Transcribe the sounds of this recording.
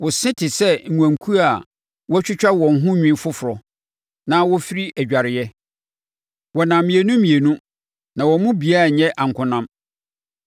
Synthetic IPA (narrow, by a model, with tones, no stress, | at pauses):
wɔ˨sɪ̃˦tʰɪ˨sɛ˦ŋ̩˨ŋʷ˨ã˨ŋkʰu˦a˨ | wɔ˦t͡ɕᶣɪ˦t͡ɕᶣa˦wɔ̃˨n̩˨ɦʊ̃˦ɲᶣĩ˦fʊ˦fʊ˨ɾɔ˨ | nã˦wɔ˦fi˦ɾi˦ʔæ˨d͡ʑᶣa˨ɾɪ˨jɛ˦ | wɔ˨nã˨mĩ˨e˨nũ˦mĩ˨e˨nũ˦ | nã˨wɔ˨˦mʊ̃˦bi˨a˦˨ɲɛ̃˦ʔã˨ŋ̩˨kʰʊ̃˦nã˦m